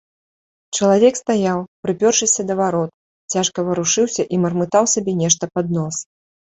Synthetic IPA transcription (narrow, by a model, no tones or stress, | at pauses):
t͡ʂɐlˠavʲɛkst̪ajawpɾɨpʲɔrʂɨsʲɐd̪ɐvaɾɔt̪̚ | t͡sʲaʂkɐvɐɾuʂɨwsʲɐʔimɐrmɨt̪awsabʲɛnʲɛʂt̪ɐpad̪̚nɔs